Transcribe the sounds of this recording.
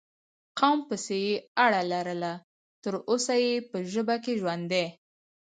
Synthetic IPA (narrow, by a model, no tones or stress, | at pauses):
qawmpəsejeaɽalaɾəla | t̪əɾosajepəʒəbakeʒwand̪e